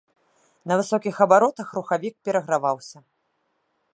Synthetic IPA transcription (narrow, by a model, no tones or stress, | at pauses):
nɐvɨsɔkʲixɐbaɾɔt̪ɐxruxavʲik̚pʲɛɾɐɣɾavawsʲɐ